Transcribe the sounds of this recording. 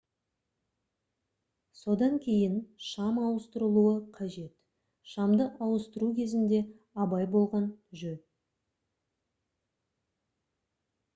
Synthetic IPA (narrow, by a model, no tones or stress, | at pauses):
so̞d̪ɑŋkʲʰe̞jɪnʃɑmɑwəst̪əɾəlˠuəqʰɑʒe̞t̪ | ʃɑmd̪əʔɑwəst̪əɾukʲʰe̞zɪnd̪e̞ | ɑbɑjbo̞lˠʁɑnʒɵ